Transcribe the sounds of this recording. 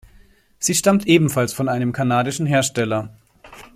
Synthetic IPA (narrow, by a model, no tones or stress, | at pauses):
z̥iːʃtamtʔeːbm̩falsfɔnʔaɪnəmkʰanaːdɪʃn̩ɦeːɐʃtɛlɐ